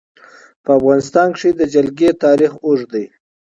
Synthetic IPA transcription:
pəafɣɑnɪst̪ɑnkʂid̪əd͡ʒalɡet̪ɑɾixoʐd̪əj

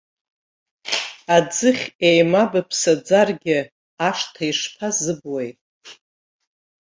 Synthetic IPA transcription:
ad͡zɨχʲejmabapʰsad͡zarɡʲɪ | aʂtʰaiʂpʰazɨbwejtʼ

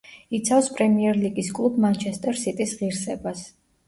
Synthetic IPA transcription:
it̪sʰafspʼɾɛmiɛɾliɡiskʼlˠubmant͡ʃʰɛst̪ʼɛɾsit̪ʼisʁiɾsɛbas

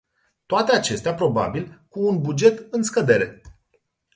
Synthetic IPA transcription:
t̪oat̪e̞at͡ʃe̞st̪eapɾo̞ba̰bilkuːnbud͡ʒe̞t̪ɨnskəd̪e̞ɾe̞

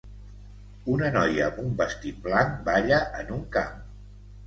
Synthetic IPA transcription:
unənɔjəːmbumbəst̪it̪̚blanbaʎəʔənuŋka̰m

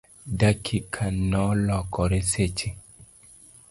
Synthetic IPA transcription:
dakʰikʰanɔlɔkɔɾeset͡ʃi

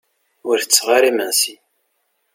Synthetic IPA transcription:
ʊɾθət͡sːʁaɾimənsi

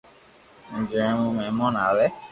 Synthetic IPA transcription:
n̩d͡ʒiɾɛ̃mũmɛ̃mɔ̃nãlɛ

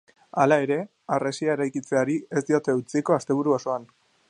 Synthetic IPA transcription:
alae̞ɾe̞ | aresiaeɾajkit͡se̞aɾie̞zd̪iot̪e̞ut͡siko̞ast̪e̞β̞uɾuoso̞an

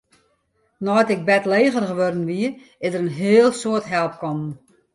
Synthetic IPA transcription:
nɔjtɪk̚bɛtleːɣərɣəʋɔrdən̩ʋiə | ɪzdəɾənɦeəlˠsoətɦɛlˠp̚kɔmn

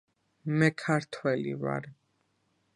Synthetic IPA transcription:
mɛkʰaɾt̪ʰwɛlḭva̰ɾ

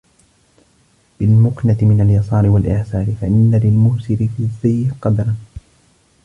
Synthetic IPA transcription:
b̥ɪlmʊknat̪ɪmɪnaljɑsˤɑːɾɪwalʔɪʕsaːɾɪfaʔɪnːalɪlmʊːsɪɾɪfizːajːɪqɑd̪ɾˤɑn

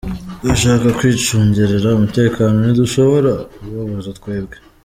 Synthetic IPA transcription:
daʃaːkakwiːt͡ʃuːɲɟeɾeɾaumute̞ːkaːno̞niduʃo̞βo̞ɾauɾuuβaβozatkwe̞ːbɡe

